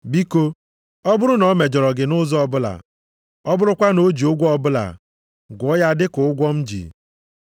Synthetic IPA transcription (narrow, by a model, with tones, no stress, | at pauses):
bi˦ko˦ | ɔ˦bʊ˦ɾʊ˦nɔ˨˦me˨d͡ʒɔ˨ɾɔ˨ɡɪ˨nʊ˦zɔ˦ɔ˦bʊ˦la̰˨ | ɔ˦bʊ˦ɾʊ˦kʷa˦no˦d͡ʒi˨ʊ˦ɡʷɔ˦ɔ˦bʊ˦la̰˨ | ɡʊ˨˦ja˦dɪ˦kʊ˨ʊ˦ɡʷɔ˦m̩˦d͡ʒḭ˨